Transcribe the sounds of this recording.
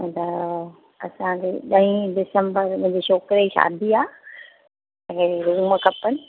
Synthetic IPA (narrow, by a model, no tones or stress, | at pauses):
d̪ɐ | ɐsãd͡ʑeːɗɐɦĩdɪsə̃mbəɾm̃ɦd͡ʑeʃoːkɾeiʃa̰ːd̪ʱiaː | ɐɦẽɾuməkɐpənɪ̆